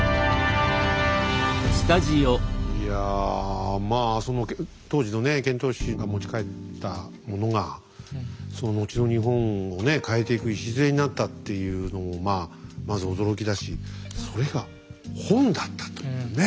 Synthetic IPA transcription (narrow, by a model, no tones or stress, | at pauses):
sɨ̥t̪aʑioja | maːso̞no̞k | t̪o̞ːʑino̞ne̞kẽ̞nt̪o̞ːɕiɡamo̞t͡ɕi̥kae̞amo̞no̞ŋa | so̞no̞no̞t͡ɕino̞ɲ̟iɦõ̞ŋo̞ne̞kae̞t̪e̞ikɯ̟iɕizɨɾe̞ɲ̟inat̪ːat̪ːe̞jɯ̟ːno̞mo̞maːmazɨo̞d̪o̞ɾo̞kʲid̪aɕiso̞ɾe̞ɡa | hõ̞nd̪at̪ːḁt̪one